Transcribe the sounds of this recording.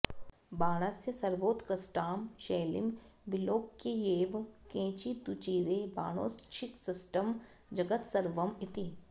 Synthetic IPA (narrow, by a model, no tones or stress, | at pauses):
baːɽ̃əsjəsɐɾʋoːt̪kɾɐsʈaːmʃeːlɪ̰mʋɪloːkkejeːʋkẽːt͡ʃit̪ut͡ʃiːɾeba̰ːɽ̃o̰ːst͡ʃʰɪksɪsʈəm | d͡ʒɐɡət̪sɐɾʋəmɪt̪i